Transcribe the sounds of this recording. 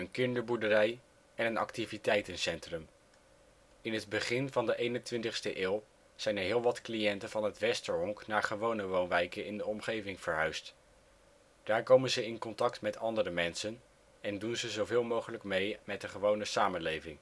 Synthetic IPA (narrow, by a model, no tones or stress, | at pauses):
ənkɪndəɹbuɹdərɛj | ɛnənɑ̰ktivitɛjtənsɛntrɵm | ɪnɦədbəχɪnvɑndəʔejnəntʋɪntəχstəʔɪːlˠ | z̥ɛjnəɹɦɪːlˠʋɑtklijɛntənvɑnɦətʋɛstəɦɔŋknaːɹχəʋownəʋownʋɛjkəɪndəɔmχejvɪŋvəɹɦœɥst | d̥aːɹkowmənzəɪnkɔntɑktmɛtɑndərəmɛnsən | ɛndunzəzowvɪːlˠmowχələkmejmɛt̚dəχəʋownəsaːmənlejvɪŋ